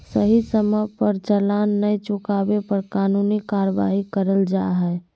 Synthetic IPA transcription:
səɦisəməpəɾd͡ʒəlanːəjt͡ʃʊkabepəɾkaːnunikaɾəʋa̰ɦikəɾəld͡ʒaɦɛ

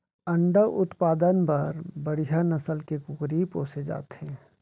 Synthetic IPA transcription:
ɐ̃ɳɖəʔʊt̪paːd̪ənpɐɾbɐɽ̤ijanɐsəlkekʊkɾipoːsed͡ʒa̰ːt̪ɦɛ̃ː

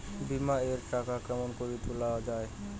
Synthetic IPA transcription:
bimaeɾʈakakɛmonkoɾit̪ulaoad͡ʑae

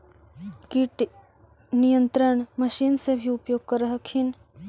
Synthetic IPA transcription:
kiʈ | nijə̃nt̪ɾəɳ̃məʃiːnsebʱiʊpjoːɡ̚kəɾəɦəkʰin

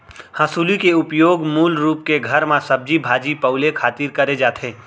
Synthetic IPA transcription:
hasuːlikeʊpjoːɡmuːlɾuːpkeɡʱɐɾmãsɐb̚d͡ʒibʱaːd͡ʒipɐʊlekʰaːt̪iːɾkɐɾed͡ʒaːt̪ʰeː

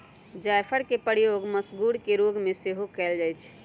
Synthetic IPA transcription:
d͡ʒajpʰəɾkepəɾjoɡməsɡuɽkeɾoɡmeseɦokɛld͡ʒaːjt͡ʃʰ

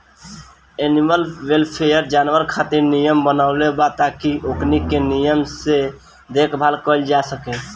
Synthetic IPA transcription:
eniməlwelpʰejəɾd͡ʒaːnwəɾkʰat̪iɾnijəmbənaʊlebat̪akiʔoknikenijəmse | d̪ekʰbʱaːlkəld͡ʒasəke

